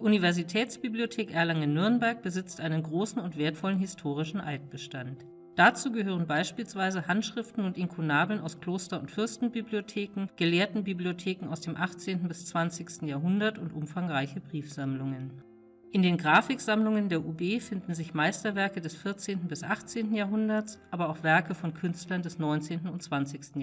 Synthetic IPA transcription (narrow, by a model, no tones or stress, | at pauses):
di̥ːʔunivɛɐzitʰɛːt͡sb̥ibliotʰeːkʔɛɐlaŋənʏɐnbɛɐk̚b̥əzɪt͡stʔaɪnənɡʁoːsn̩ʊntv̥eːɐtfɔlənɦɪstʰoːʁ̞ɪʃn̩ʔaɪt̚b̥əʃtant | d̥at͡suːɡəɦøːʁ̞ənbaɪʃpiːlsv̥aɪzəhantʃʁ̥ɪftn̩ʊntɪŋkʰonaːbl̩ənaʊskl̥oːstɐʊ̰ntfʏɐstn̩bibliotʰeːkŋ̩ɡ̥əleːɐtn̩bibliotʰeːkŋ̩a̰ʊsd̥eːmʔaχt͡seːntn̩bɪst͡sv̥ant͡sɪçstn̩jaːɐɦʊndɐtʊntʔʊmfaŋʁaɪçəbʁiːfz̥amlʊŋən | ʔɪndeːnɡʁaːfɪkz̥amlʊŋəndeːɐʔuːbeːfɪndn̩zɪçmaɪstɐvɛɐkədɛsfɪɐt͡seːntn̩bɪsʔaχt͡seːntn̩jaːɦʊndɐsʔaːbɐaʊxv̥ɛɐkəfɔnkʰʏnstlɐndɛsnɔʏnt͡seːntn̩ʊnt͡sv̥ant͡sɪçstn̩